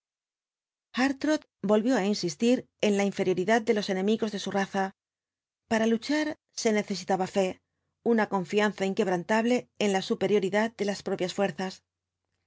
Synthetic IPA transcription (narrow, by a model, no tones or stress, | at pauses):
xaɾt̪ɾoð | bo̞lβjo̞ainsist̪iɾ | e̞nlaiɱfe̞ɾjo̞ɾiðað̚d̪e̞lo̞se̞nẽ̞miɣo̞zðe̞suraθa | paɾalut͡ʃaɾ | se̞ne̞θe̞s̬it̪aβafe̞ | unako̞ɱfianθaiŋke̞β̞ɾant̪aβle̞ːnlasupe̞ɾjo̞ɾiðað̚d̪e̞laspɾo̞pjasfwe̞ɾθas